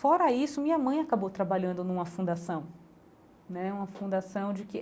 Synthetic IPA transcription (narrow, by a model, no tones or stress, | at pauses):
fɔɾɐisʊmĩɲɐmɐ̃j̃akabowt̪ɾabaʎɐ̃nd̪ʊnũmɐfũd̪asɐ̃w̃ | nɛũmɐfũd̪asɐ̃w̃d͡ʒɪkɪ